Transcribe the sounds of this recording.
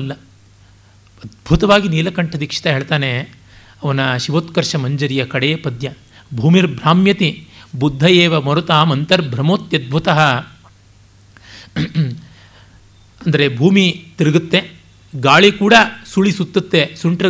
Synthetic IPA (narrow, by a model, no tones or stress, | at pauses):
lːɐ | ɐd̪̚bʱut̪ɐʋaːɡiniːlɐkɐɳʈʰɐd̪ikʂi̥t̪ɐɦeːɭt̪aːne | ɐʋɐnɐʃiʋoːt̪kɐɾʂɐmɐɲd͡ʒɐɾijɐkɐɽeːpɐd̪jɐ | bʱuːmiɾbʱɾaːmjɐt̪ibud̪ʱːɐjeːʋɐmɔɾut̪aːmɐnt̪ɐɾbʱɾɐmoːt̪jɐd̪̚bʱut̪ɐɦɐ | ɐnd̪ɐɾebʱuːmit̪iɾɐɡut̪ːe | ɡaːɭikuːɽɐsuɭisut̪ːɐt̪ːesuɳʈɾɐ